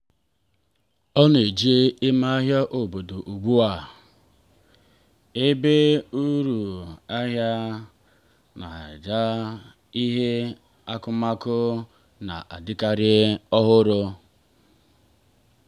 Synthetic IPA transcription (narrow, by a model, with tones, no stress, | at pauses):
ɔ˦n˨e˨d͡ʒi˦e˦ɪ˦ma˦a˦ɦja˦ʔo˨bo˨do˨ʔu˨ɡ͡bu˦a˨ | e˦be˦u˦ɾu˨a˦ɦja˦ | na̰˨d͡ʒa˦ | i˦ɦe˦ | a˦kʊ˦ma˦kʊ˦ | na̰˨ʔa˨dɪ˦ka˦ɾɪ˦ɔ˦ɦʊ˦ɾʊ˦